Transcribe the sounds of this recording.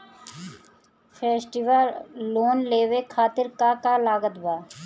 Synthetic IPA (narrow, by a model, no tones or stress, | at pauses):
pʰeːsʈɪʋəlːoːnleːʋekʰaːt̪ɪɾkakalaːɡət̪baː